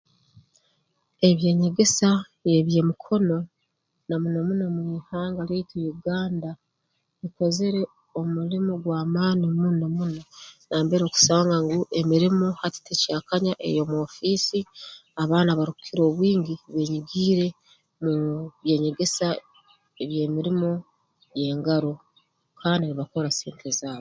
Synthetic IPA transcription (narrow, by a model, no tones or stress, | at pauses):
e̞βje̞ːɲe̞ɡe̞sa | je̞βije̞mukʰo̞no̞ | namunomunomwiːhaːŋɡaleitijuɡaːnda | βiko̞ze̞ɾe̞ | omulimuɡwaːmaːnimunamunonaːmbeɾo̞ku̥saːŋɡaŋɡuʔemiɾimohati̥tecaːkaɲaʔe̞̰jo̞mo̞ːfiːsiaβaːnaβaɾiku̥kʰiɾo̞ːβwiːɲɡiβe̞ɲiɡiːɾe̞ | muβje̞ːɲe̞ɡe̞sa | eβje̞ːmiɾimo̞ | je̞ːŋɡaɾo̞ | kʰaːndiɾiβako̞ɾasiːntezaːβo